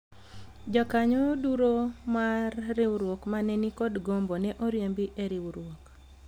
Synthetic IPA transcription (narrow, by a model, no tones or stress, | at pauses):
d͡ʒɔkaɲɔduɾomarːɪwɾwokmanɛnikɔdɡombonɛʔoɾjembiʔeɾɪwɾwok